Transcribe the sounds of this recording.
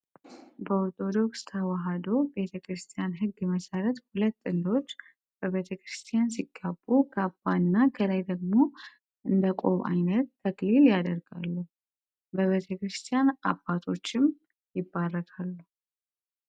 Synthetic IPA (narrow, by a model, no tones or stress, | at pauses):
bəoɾt̪ʰo̞d̪o̞kst̪ʰawaɦad̪o̞be̞t̪ʰəkʰɾɨst̪ʰʼijanɦɨɡːməsəɾət̪hulət̪ːɨlːo̞t͡ʃː | b̥əβe̞t̪ʰəkɾɨst̪ʰʼijansiɡ̥ːabːukʰəab̥ːanːakʰələjd̪əɡmo̞ | ʔɨnd̪əkʼo̞̰βa̰jnət̪ʰːəkliljad̪əɾɡa̰lːuhu | bəβe̞t̪ʰəkɾɨst̪ʼijana̰b̥ːat̪ʰo̞t͡ʃːɪm | jɪbːarːət̪ʰʼalːu